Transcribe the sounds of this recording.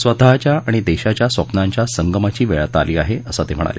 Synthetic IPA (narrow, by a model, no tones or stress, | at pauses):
sʋəd̪at͡ɕjaaɽ̃id̪eɕat͡ɕjasʋəpnaɲt͡ɕjasəŋɡəmat͡ɕiːʋeɭt̪aliːaɦeəsət̪em̤əɽ̃a̰lḛ